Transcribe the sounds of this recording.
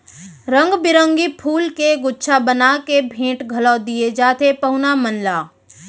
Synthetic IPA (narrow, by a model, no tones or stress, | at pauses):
ɾə̃ŋɡbɪɾə̃ŋɡipʰuːlkeɡʊtːʃʰabənakebʱẽːʈɡʱɐlɔd̪ied͡ʒaːt̪ʰepɐɦʊnamənlaː